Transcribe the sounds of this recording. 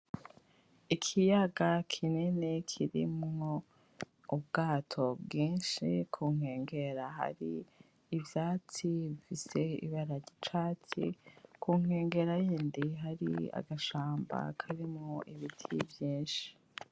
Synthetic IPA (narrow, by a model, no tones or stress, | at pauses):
ikʰijaɡakʰinenekʰiɾḭmŋo | ubɡaːtʰo̞bɡiːnʃikʰuŋ̥e̞ːŋɡe̞ɾaɦa̰ɾiː | vjaːt͡siβifise̞ḭβaɾaɟit͡ʃaːt͡sḭkʰuŋ̥e̞ːŋɡe̞ɾajiːndiɦaɾḭa̰ɡaʃaːmba̰kʰaɾimŋoʔiβitʰibjiːnʃi̥